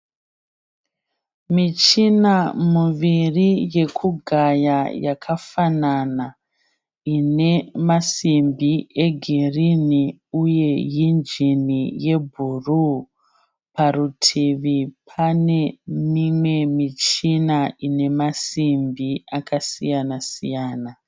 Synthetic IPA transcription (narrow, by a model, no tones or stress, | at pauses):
mit͡ʃinamuʋirije̞kʰuɡʱajajakʰafanana | ine̞masimbiʔe̞ɡʱeriniuje̞jind͡ʒinije̞bʱuru | parutʰiʋipʰane̞mimwe̞mit͡ʃinaʔine̞masimbiakʰasḭjanasḭjaːna